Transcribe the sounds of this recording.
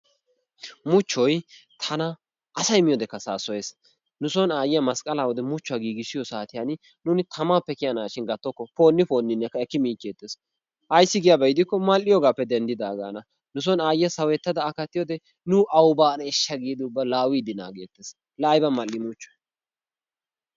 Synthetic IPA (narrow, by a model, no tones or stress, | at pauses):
mʊt͡ʃːɔjt̪ʰɐnɐ | ɐsɐjmɪjɔd̪ɛkːɐsaːsɔjes | nʊsɔnaːjɪjɐmɐskʼɐlawɔd̪ɛmʊt͡ʃːʊɐɡiːɡɪsɪjɔsaːt̪ɪjɐn | nʊnɪt̪ʰɐmaːpːɛkɪjɐnaːʃɪnɡɐt̪ːɔkːɔfo̞ːnːɪfo̞ːnːɪnːɛkːɐɛkːɪmiːt͡ʃːeːt̪ːeːs | ʔɐjsːɪɡɪjɐbɐjɪd̪ɪkːɔmɐlːɪjɔɡaːpːɛd̪ɛnd̪ɪd̪aːɡa̰ːnɐ | nʊs̬ɔnaːjɪjɐsɐwɛt̪ːɐd̪ɐːkɐt̪ːɪjɔd̪ɛ | nʊʔɐwbaːnɐɪʃːɐɡiːd̪ɪʊbːɐlaːwiːd̪ɪna̰ːɡḛːt̪ːeːs | laːjbɐmɐlːɪmʊt͡ʃːɔ̥j